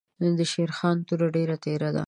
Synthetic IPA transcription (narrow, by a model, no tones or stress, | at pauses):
nod̪əʃeɾxɑnt̪uɾaɖeɾat̪eɾad̪a̰